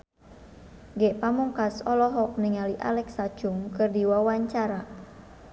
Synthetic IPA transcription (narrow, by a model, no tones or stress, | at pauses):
ŋɡɛʔpamuŋkasɔlɔɦɔk̚niŋaliʔa̰lɛksḁd͡ʒ̥uŋkɨrdiwawaɲt͡ʃaɾa